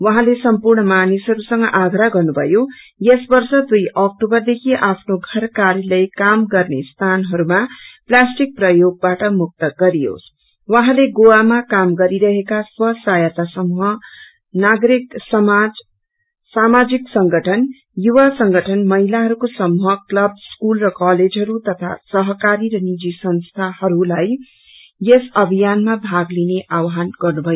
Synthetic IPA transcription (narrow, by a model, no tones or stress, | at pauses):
wʌɦãlesʌmpurɳʌmanisɦʌɾusʌŋɡʌʔaɡɾaɡʌrnubʱʌ̰jo | jesbʌrsʌd̪ujʌk̚ʈobʌrd̪ekʰiʔapʰnoɡʱʌrkaɾjilʌjkamɡʌrnest̪ʰanɦʌɾumaplasʈik̚prʌjoɡ̚baʈʌmuk̚t̪ʌɡʌɾijo̰s | wʌɦãleɡowamakamɡʌɾiɾʌɦekaswʌsajʌt̪asʌmuɦʌ | naɡɾiksʌmad͡z | samad͡ziksʌŋɡʱʌʈʰʌn | juwasʌŋɡʱʌʈʰʌnmʌɦilaɦʌɾukosʌmuɦʌklʌb̚skulrʌkaled͡zɦʌɾut̪ʌt̪ʰa̰sʌɦʌkaɾiɾʌnid͡zisʌnst̪ʰahʌɾulaj | esʌbʱijanmabʱaɡlineʔawɦanɡʌrnubʱʌjo